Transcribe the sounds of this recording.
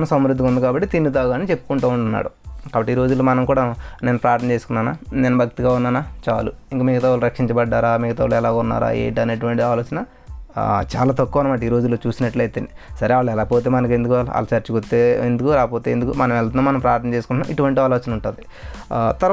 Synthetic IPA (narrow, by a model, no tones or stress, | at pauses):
nɐsɐmɾud̪ʱːikund̪ukaːbɐʈːit̪inːut̪aːɡaːnit͡ʃe̞pːu̥kuɳʈuːuɳʈunːa̰ːɽukaːbɐʈːiːɾo̞ːd͡ʒulːoːmɐnɐmkuːɽaːne̞ːnupɾaːɾt̪ʰnɐt͡ʃeːsukunːaːna̰ːnenɐbʱɐk̚t̪iɡaːunːaːnaːt͡ʃa̰ːluiŋkamiɡɐt̪aːʋuluɾɐkʂiɲt͡ʃɐbɐɖːaːɾaːmiɡɐt̪aːuluɛlaːɡunːa̰ːɾa̰ːḛːɳʈiɐnɐʈuʋɐɳʈiiaːloːt͡ʃɐnɐ | t͡ʃa̰ːlaːt̪ɐkːuʋɐnɐmaːʈ̬iːɾoːd͡ʒulːoːt͡ʃuːsinɐʈlɐjt̪enisɐɾeaːɭːɛlaːpoːt̪eːmɐnɐkend̪ukala̰ːlɐt͡ʃɐɾt͡ʃikot̪ːeːend̪ukuɾaːpo̞ːt̪eːend̪ukumɐnɐmɛlɐt̪unaːmɐnɐmpɾaːɾt̪ɐnɐt͡ʃeːsu̥kunːaiʈuʋɐɳʈiaːloːt͡ʃɐnɐuɳʈund̪i | t̪ɐɾ